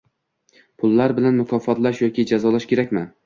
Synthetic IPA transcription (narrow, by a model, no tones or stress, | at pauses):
pʰʊlˠːaɾbɪlanmʊkʰɒfɒt̪laʃjɒkʲɪd͡ʒazɒlaʃkʲe̞ɾak̚ʲmɪ